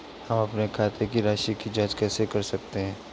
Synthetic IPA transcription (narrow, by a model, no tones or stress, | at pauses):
hɐmɐpnekʰaːt̪ʰekiɾaːʃikid͡ʒaːd͡ʒkɛːsekɐɾsɐk̚t̪eɦɛ̃ː